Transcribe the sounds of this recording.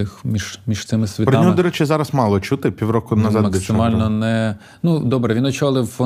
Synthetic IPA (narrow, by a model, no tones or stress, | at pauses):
ɪxmʲiʒ̥mʲiʒ̥t̪sɪmɪsʲʋʲitpɾɪdnmʲɔɦɔd̪ɔɾɛt͡ʃʲɪzɑɾɐsmɑlˠɔt͡ʃut̪ɪpʲiwɾɔkʊnɐzɑdmɐk̪ʲsɪmɑlʲnɔnɛ | nud̪ɔbɾɛʋinɔt͡ʃɔlˠɪwfɔ